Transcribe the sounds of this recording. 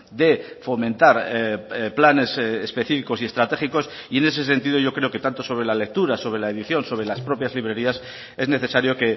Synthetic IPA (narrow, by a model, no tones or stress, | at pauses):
d̪e̞ | fo̞mẽ̞nt̪aɾ | plane̞sespe̞θifiko̞sie̞st̪ɾat̪e̞χiko̞s | ie̞ne̞s̬e̞s̬e̞nt̪ið̞o̞ʝokɾe̞o̞ke̞t̪ant̪o̞so̞β̞ɾe̞lale̞k̚t̪uɾaso̞βɾe̞laeðiθjo̞nso̞βɾe̞laspɾo̞pjazliβɾe̞ɾias | e̞zne̞θe̞saɾjo̞ke̞